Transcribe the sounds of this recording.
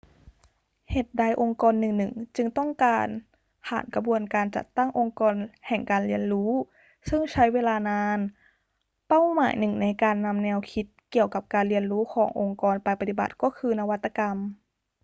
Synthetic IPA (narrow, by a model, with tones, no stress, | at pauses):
heː˨˩t̪̚daː˧˩jʔo˧ŋkɔː˧nːɯ˨˩ŋnɯ˨˩ŋt͡ɕɯ˧ŋt̪ɔ˥˩ŋkaː˧n | pʰa̰ː˨˩˦nka˧bu˧ənkaː˧nt͡ɕa̰˨˧˩t̪ːa˥˩ŋʔo˧ŋkɔː˧nhɛ˨˩ŋkaː˨˧nli˧ənɾuː˦˥ | sɯ˥˩ŋt͡ɕʰa˦˥jweː˧laː˧naː˧˥n | pa˥˩wmaː˨˩˦jnɯ˨˩ŋna˧jkaː˧nːa˧mnɛː˧wkʰi˧˦˥t̪̚ki˨˩əwka˨˧˩p̚kaː˧nli˧ənɾuː˦˥kʰɔː˩˦ŋʔo˧ŋkɔː˧npa˧jpa˧t̪i˨˩ba̰˨˩t̪̚kɔː˥˩kʰɯː˧na˧wa˦˥t̪ːa˧ka˧m